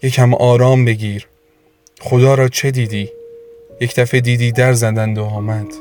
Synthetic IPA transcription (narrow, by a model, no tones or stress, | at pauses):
je̞cʰæmɒːɾɒːmbe̞ɟiːɾ | χod̪ɒːɾɒːt͡ʃʰe̞d̪iːd̪iːjecʰd̪̥æfe̞d̪iːd̪iːd̪æɾzæd̪ænd̪oɒːmæd̪̥